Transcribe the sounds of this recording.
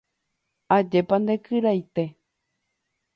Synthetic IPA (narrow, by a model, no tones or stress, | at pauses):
ad͡ʒepand̪ekʰɨɾajt̪e̞